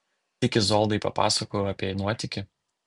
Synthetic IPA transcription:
ɪkʲɪzoːlˠd̪ɐɪpɐ̰pɑ̰ːsɐkoːjoːɐpʲiɛnuɔt̪ʲɪkʲɪ

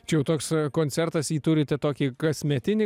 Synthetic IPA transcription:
t͡ʃʲɛjɛʊt̪oːkskoːnʲsʲɛɾt̪ɐsiːt̪ʊɾʲɪt̪ʲɛt̪oːkʲiɡɐsʲmʲɛt̪ʲɪnʲɪ

